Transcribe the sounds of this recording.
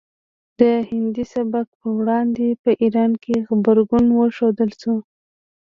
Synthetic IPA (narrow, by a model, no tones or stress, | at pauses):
d̪̥əhɪnd̪isabak̚pəwɽɑnd̪epəʔiɾɑnkeɣbaɾɡunwəʃod̪əlsu